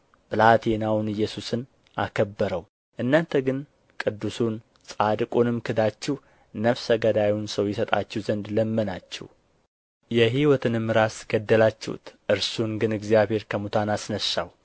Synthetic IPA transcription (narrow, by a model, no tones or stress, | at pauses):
bɨlat̪ʰenawnɨjːɛsusɨn | a̰kʰəbːəɾəw | ʔɨnːant̪ʰəɡɨn | kʼɨd̪ːusun | sʼad̪ɨkʼunɨmkʰɨd̪at͡ʃːɛh | nəfsəɡəd̪ajwnsəwjɛsət̪ʼa̰t͡ʃːɛhzənd̪ləmːənat͡ʃːɛ̰w | jɛɦiwɔt̪ʰɨnɨmːɨɾasɡ̥əd̪ːəlat͡ʃːɛ̰hṵt̪ʔɨɾsunɡɨnɨɡzijaβhe̞ɾkʰəmut̪ʰanasnəsːa̰w